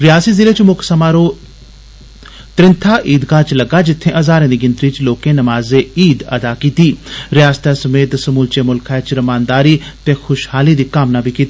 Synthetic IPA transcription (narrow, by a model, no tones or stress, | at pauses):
ɾɪjaːsiːzɪleːt͡ʃmʊksəmaːɾoː | t̪ɾɪnt̪ʰaːʔiːd̪kaːt͡ʃləɡaːd͡ʒɪt̪ʰːẽːʔəzaːɾẽːd̪iːɡɪnt̪ɾiːt͡ʃloːkẽːnəmaːzeːiːd̪ə̰d̪aːkiːt̪iːɾɪjaːst̪ʰaːsəmeːt̪səmuːlt͡ʃeːmʊlkʰaet͡ʃɾəmaːnd̪aːɾiːt̪eːxʰʊʃhaːliːd̪iːkaːmnaːbʱiːkiːt̪ː